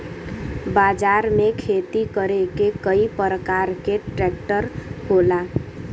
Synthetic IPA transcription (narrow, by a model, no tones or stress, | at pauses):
bad͡ʒaɾmekʰet̪ikəɾekekəipəɾəkaɾkeʈɾɛkʈəɾhola